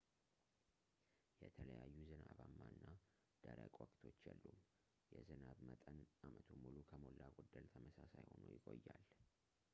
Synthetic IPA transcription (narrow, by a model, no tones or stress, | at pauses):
jɛt̪ʰələjajːuzɨnaβamːaɨnːa | d̪̥əɾəkʼwɔkʼt̪ʰo̞t͡ʃːjɛlːum | jɛzɨnaβmət̪ʼənʔamət̪ʰumulukʰəmo̞lːaɡod̪ːəlt̪ʰəməsasajho̞nujɪkʼojːal